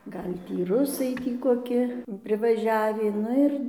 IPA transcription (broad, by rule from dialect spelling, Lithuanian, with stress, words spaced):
ˈɡɐlʲ ˈtʲiː ˈrʊsɐɪ ˈtʲiː koːˈkʲɪ pʲrʲɪʋɐˈʒʲæːʋʲiː ˈnʊ ɪr